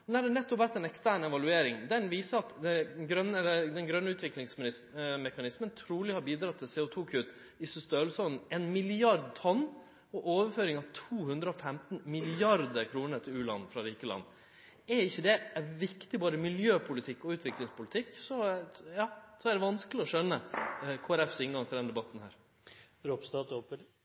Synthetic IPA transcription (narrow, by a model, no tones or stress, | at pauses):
næɖ̪ɛnɛt̪ːɔpʋæt̪ːɛnɛkst̪æːɳɛʋɑlʉeːɾɪŋd̪ɛnʋiːsəɾɑt̪d̪ɛɡɾœnːɛlːəd̪ɛnɡɾœnːəʉːt̪ʰʋɪklɪŋsmɪɪsmɛkɑnɪsmənt̪ʰɾuːlɪhɑɾbiːd̪ɾɑt̪ʰːɪlseːʊt̪ʰuːkʰʉt̪ | ɪsʏst̪øːlsɔnɛnmɪlɪɑɾd̪t̪ʰɔnː | ɔʔoːʋəɾføːɾɪŋɑʋt̪ʰuːhʉnd̪ɾəɔfɛmt̪nmɪlɪɑɾd̪əɾkʰɾuːnəɾt̪ʰɪlʉːlɑ̰nːfɾɑɾiːkəlɑ̰nː | ɛɾɪçːəd̪ɛæɾʋɪkt̪ɪbɑːɾəmɪljøːpʰʊlɪt̪ʰɪkːɔʉːt̪ʰʋɪklɪŋspʰʊlɪt̪ʰɪkːsɔjɑːsɔæɖ̪ɛʋɑnskəlɪɔʂœnːəkʰoːæɾɛfsɪŋɡɑŋt̪ʰɪld̪ɛnd̪ɛbɑt̪ːnhæ̰ːɾ | ɾopst̪ɑːt̪opə